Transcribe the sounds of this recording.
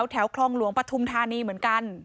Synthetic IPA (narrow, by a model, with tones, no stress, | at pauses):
wt̪ʰɛː˩˦wkʰlɔː˥˩ŋlu˩˦əŋpɾa˧t̪ʰu˧mt̪ʰaː˧niː˧mɯ˩˦ənka˧n